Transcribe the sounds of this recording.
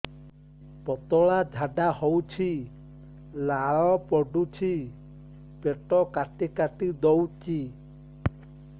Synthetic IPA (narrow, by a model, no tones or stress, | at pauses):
pɔt̪ɔɭad͡ʒʱaɖahɔwt͡ʃʰi | laɭɔpɔɖut͡ʃʰi | peʈɔkaʈikaʈid̪ɔwt͡ʃi